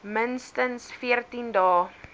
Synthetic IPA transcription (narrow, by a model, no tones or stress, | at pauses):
mənstənsfiərtindɑː